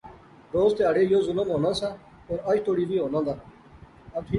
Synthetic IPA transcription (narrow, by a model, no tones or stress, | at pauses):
ɾoːzt̪eəɖeːjoːzʊləmɦoːnãːsãː | poɾɐt͡ʃʈ̪oːɽiːʋiːɦoːnãːd̪aː | ɐt̪ʰi